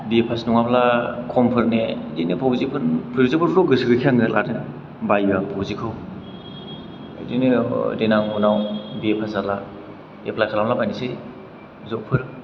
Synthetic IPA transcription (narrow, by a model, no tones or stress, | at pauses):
biepʰasnuŋablakʰɔmpʰɯɾnedinepʰawzipʰɯnpʰɯɾuzapʰɯɾɾɔɡɯsɯɡɯkʰiaŋɯlʔaɾɯn | bajapʰawzikʰɯw | dinedenaŋunawbiepʰasala | epʰlajkʰalamlabajnisɯj | zɔk̚pʰɯɾ